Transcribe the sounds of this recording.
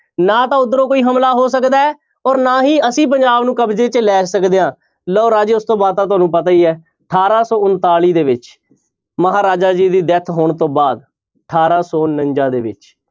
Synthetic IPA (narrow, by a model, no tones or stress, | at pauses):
nãːt̪ãːʊd̪ːəɾõːkoːiːɦəmlaːɦoːs̬əkd̪aːɛː | ɔːɾnaːɦiːəsĩːp̬əɲd͡ʒaːbnũːkəbd͡ʒeːt͡ʃlɛːsəkd̪eːãː | lɔːɾaːd͡ʒeːʊst̪õːbaːd̪̚t̪ãːt̪ʊaːnũːpət̪aːiːɛː | əʈʰaːɾaːsɔːʊnt̪aːliːd̪eːʋɪt͡ʃ | məɦaːɾaːd͡ʒaːd͡ʒiːd̪iːd̪ɛt̪ʰɦoːɳt̪õːbaːd̪ | əʈʰaːɾaːsɔːnəɲd͡ʒãːd̪ḛːʋɪ̰t͡ʃ